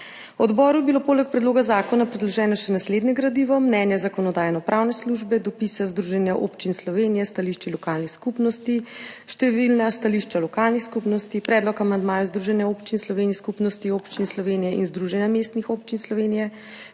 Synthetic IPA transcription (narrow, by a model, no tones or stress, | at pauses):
ɔd̪bɔːɾujɛbilopoːlɛk̚pɾɛd̪loːɡazaːkɔnapɾɛd̪lɔʒɛːnɔʃɛnasled̪nɛɡɾad̪iʋɔmnɛːnjɛzakɔnɔd̪aːjɛnɔpɾʔaːwnɛsluʒbɛd̪ɔpisazd̪ɾuʒɛnjaʔopt͡ʃinslɔʋenijɛst̪aliʃt͡ʃilɔkaːlnixskupnɔst̪iʃt̪ɛʋilnast̪aliʃt͡ʃalɔkalnixskupnɔst̪ipɾɛːd̪lɔkamand̪maːjuzd̪ɾuʒɛnjɛopt͡ʃinslɔʋeːniskupnɔst̪ioːpt͡ʃinslɔʋeːnijɛʔinzd̪ɾuʒɛnjamest̪nixopt͡ʃinslɔʋeːnijɛ